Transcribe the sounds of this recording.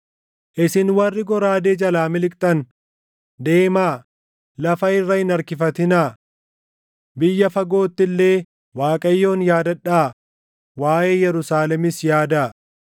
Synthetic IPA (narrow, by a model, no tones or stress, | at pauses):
ʔɪsɪnwɐrːɪɡɔɾaːd̪eːd͡ʒɐlaːmɪlɪkʼt̪ʼɐn | d̪e̞ːmaː | lɐfɐɪrːɐhɪnɐɾkɪfɐt̪ɪnaː | bɪjːɐfɐɡo̞ːt̪ːɪlːe̞ː | waːkʼɐjːo̞ːnjaːd̪ɐᶑaː | waːʔeːjɛɾʊsaːlɛmɪsjaːd̪aː